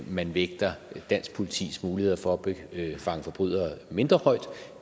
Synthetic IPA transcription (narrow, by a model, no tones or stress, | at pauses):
mænʋeɡ̥̚d̥ɐd̥æn̰sɡ̥pʰo̝lit͡sʰḭːsmuːlihe̝ð̰ˠɐfɒ̽ːb̥efɑ̈ŋəfɒ̽b̥ʁy̰ð̰ˠɐme̝nd̥ʁɐhɒ̽ɪd̥